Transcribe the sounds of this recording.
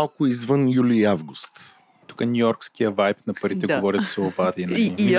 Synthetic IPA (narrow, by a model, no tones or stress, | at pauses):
lˠkʊizvənjuliːavɡʊst̪ | t̪u̥kənʲuɔɾkskijəvajpnɐpɐɾit̪ɛɡovɔɾisɛobad̪inɐ